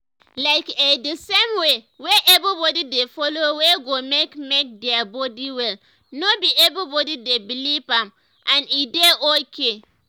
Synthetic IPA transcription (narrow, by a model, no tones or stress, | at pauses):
laɪkedəsemwe | weʔɛbɹibɔdidefɔloweɡomekmek̚dɛabɔdiwɛl | nobiɛbɹibɔdidebilivãm | ʔãnideʔokʰe